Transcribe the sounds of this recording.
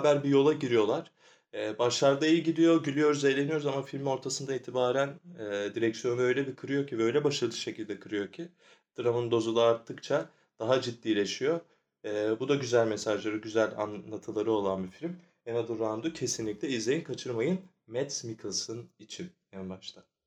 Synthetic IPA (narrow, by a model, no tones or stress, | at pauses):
bæɾbijo̞lˠaɟiɾijo̞lˠaɾ̥ | ɛːbaʃlˠaɾd̪ajɯɟid̪ijo̞ɟylʲijo̞ɾuze̞jlʲe̞nijo̞ɾuzamafilʲmo̞ɾt̪ʰasɯnd̪aiːt̪ʰibaːɾænɛːd̪iɾɛcsjo̞nɯø̞jlʲɛbikʰɯɾɯjo̞cʰivøjlʲɛbaʃalɯd̪ˠɯʃe̞cʰilʲd̪ɛkʰɯɾɯjo̞cʰi | d̪̥ɯɾamɯnd̪o̞zulˠaːɾt̪ʰːɯkt͡ʃʰa | d̪̥aɦad͡ʒid̪ːiːlʲe̞ʃijo̞ː | bud̪aɟyzælʲmesaʒlˠaɾɯɟyzælʲa̰nlˠat̪ʰɯlˠaɾɯo̞lˠanbifilʲm | enad̪ɯɾand̪ucʰe̞sinlʲic̚lʲɛizlʲejinkʰat͡ʃʰɯɾmajɯn | mɛt̪smikʰilˠsɯnit͡ʃʰinjænbaʃt̪ʰa